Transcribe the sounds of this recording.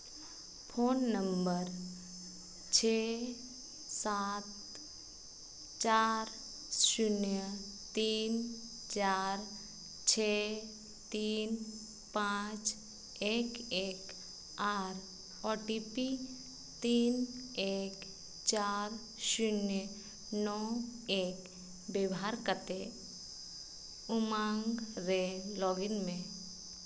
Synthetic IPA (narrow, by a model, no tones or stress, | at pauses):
pʰoːnːə̃mbəɾ | t͡ʃʰe | saːt̪ | t͡ʃaːɾ | ʃʊnjə | t̪iːn | t͡ʃaːɾ | t͡ʃʰe | t̪iːn | pãːt͡ʃ | eːkeːk | aːɾ | ɔʈipi | t̪iːneːk | t͡ʃaːɾ | ʃʊnjə | nɔːeːk | bewɦaɾkət̪e | ʊmãːŋɡɾelɔːɡɪnmẽ